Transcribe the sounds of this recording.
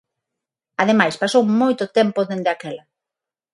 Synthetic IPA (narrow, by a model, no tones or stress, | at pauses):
aðemajspasowmojt̪ʊt̪ɛmpoðend̪eakɛlɐ